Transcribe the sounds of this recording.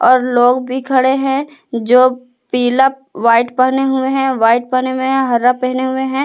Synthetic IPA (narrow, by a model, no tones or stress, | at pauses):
ɔːɾloːɡbʱikʰɐɽeɦɛ̃d͡ʒoː | piːla | ʋaːɪʈpəɦneɦʊeɦɛ̃ʋaːɪʈ̚pəɦneɦʊeɦɛ̃ɦɐɾːapɛɦneɦʊeɦɛ̃ː